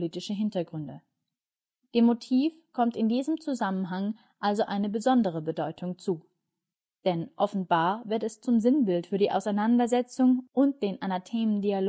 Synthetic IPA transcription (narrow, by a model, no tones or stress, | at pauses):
liːtɪʃəɦɪntɐɡʁʏndə | d̥eːmːotʰiːfkʰɔmtɪndiːzəmt͡suzamənɦaŋ | ʔalzoʔaɪnəbəzɔndəʁ̞əbədɔʏtʰʊŋt͡suː | d̥ɛnʔɔfn̩baːɐvɪɐtɛst͡sʊmzɪnbɪltfyːɐdiːʔa̰ʊsaɪnandɐzɛt͡sʊŋʔʊnt̚d̥eːnʔanatʰeːməndial